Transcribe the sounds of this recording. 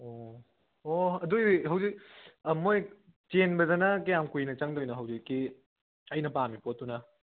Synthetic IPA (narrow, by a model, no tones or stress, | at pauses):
o | oɐduɦɐwzik̚moj | t͡ʃenbɐdɐnɐkɐjamkujnɐt͡ʃɐŋdojnɐɦɐwzikːi | ɐjnɐpamipot̚ːunɐ